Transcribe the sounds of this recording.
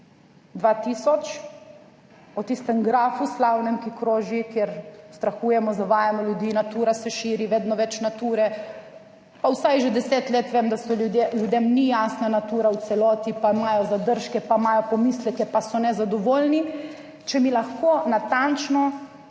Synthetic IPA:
d̪ʋat̪iːsɔt͡ʃ | ɔt̪ist̪ɛmɡɾaːfuslawnɛmkikɾoːʒikjeɾst̪ɾaxuːjɛmɔzaʋaːjamɔljud̪iːnat̪uːɾasɛʃiːɾiʋeːd̪nɔʋɛt͡ʃnat̪uːɾɛ | pawsajʒɛd̪ɛset̪leːt̪ʋeːmd̪asɔlud̪eljud̪emnijaːsnanat̪uːɾawt̪sɛlɔːt̪ipaimaːjɔzad̪əɾʃkɛpaimaːjɔpɔmislɛkɛpasɔnɛzad̪ɔʋoːlni | t͡ʃɛmilaxkonat̪ant͡ʃnɔ

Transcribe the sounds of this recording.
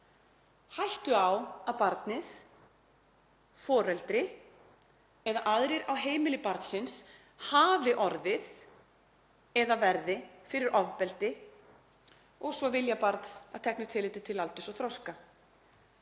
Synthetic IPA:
hajht̪ʏawaðpaɾt̪nɪθ | fɔːɾɛlt̪ɾɪ | ɛðaʔaðɾɪɾawɦeːjmɪlɪpaɾt̪sɪns | haːvɪʔɔɾðɪð | ɛðavɛɾðɪfɪɾɪɾʔɔvpɛlt̪ɪ | ɔɣsvɔvɪljapaɾt̪sað̥t̪ʰɛknʏ̥t̪ʰɪlɪːt̪ɪt̪ʰɪlalt̪ʏsɔθɾɔwska

